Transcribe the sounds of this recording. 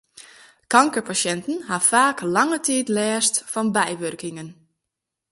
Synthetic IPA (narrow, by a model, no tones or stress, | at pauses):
kaŋkəɹpasɛntən̩ɦafaːklaŋətiːtlɛːstfɔnbɛjʋørkɪŋən